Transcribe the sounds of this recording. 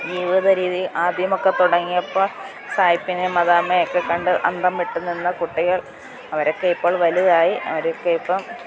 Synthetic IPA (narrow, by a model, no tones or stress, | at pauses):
d͡ʑiʋiðɐɾiːðiʔaːd̪ʱjɐmo̞kːe̞t̪uɽɐŋːijɐpːoːɭ | saːjipːinemɐðaːmːɐjokːekɐɳɖɨʔɐ̰ɳɖɐmːiʈːunːinːɐkuʈːiɣɐɭ | ɐʋɐɾo̞kːeipːo̞ːɭʋɐliðaːjiɐ̰ʋɐɾekːeipːɐm